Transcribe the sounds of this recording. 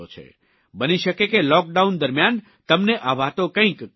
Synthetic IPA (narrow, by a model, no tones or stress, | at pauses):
ot͡ʃʰḛ | bəniʃəkekelɔk̚ɖaund̪əɾmjan | t̪əmneʔaʋat̪okə̃ĩk